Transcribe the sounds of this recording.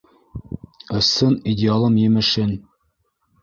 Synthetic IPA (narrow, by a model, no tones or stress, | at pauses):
ɤ̆sɤnidʲɪalˠɤmjɘ̆mɘ̆ʃɘn